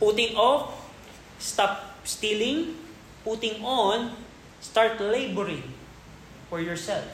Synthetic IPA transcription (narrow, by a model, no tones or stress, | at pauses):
put̪ɪŋʔɔf | st̪ap̚st̪ilɪ̃ŋ | put̪ɪŋʔon | st̪aɹt̪lejbɛɹɪ̃ŋ | fɔɹjɔɹsɛlf